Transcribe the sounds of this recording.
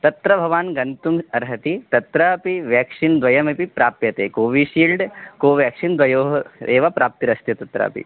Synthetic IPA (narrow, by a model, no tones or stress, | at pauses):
t̪ɐt̪ɾɐbʱɐʋaːnɡɐnt̪umɐɾɦɐt̪it̪ɐt̪ɾaɐpiʋjaːkʂind̪ʋɐjɐmepipɾaːpjɐt̪eːkoːʋiʃiːlɖkoːʋjaːkʂind̪ʋɐjoːɦeːʋɐpɾaːp̚t̪iɾɐst̪jɐt̪ɐt̪ɾa̰ːpḭ